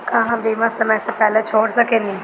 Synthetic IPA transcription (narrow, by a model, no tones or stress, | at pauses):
kãːɦãmd̪eːmãːsəmɛ̃ːseːpɛːlẽːt͡ʃʰoːɽsəkẽːnĩː